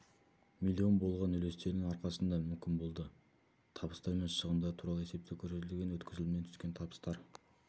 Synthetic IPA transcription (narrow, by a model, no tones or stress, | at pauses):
milʲːio̞nbo̞lˠʁɑnɵle̞st̪e̞ɾd̪ɪŋɑɾqɑsənd̪ɑmʏmkʲɪnbo̞lˠd̪ə | t̪ʰɑbə̥st̪ɑɾmenʃəʁənd̪ɑt̪ʰuɾɑlˠəe̞se̞p̚t̪ewkʲʰɵɾset̪ɪlɡʲe̞nwɵt̪kʲʰɪzɪlɪmnet̪ʰʏ̥kʲe̞nt̪ʰɑbə̥st̪ɑɾ